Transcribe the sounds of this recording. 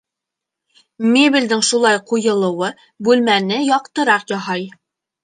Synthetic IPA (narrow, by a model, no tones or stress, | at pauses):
mʲebʲild̪ɘŋʃulˠɑjqujɤ̆lˠɤ̆wɤ | bʉlmænɘjɒqt̪ɤ̆ɾɑqjɑɦɑj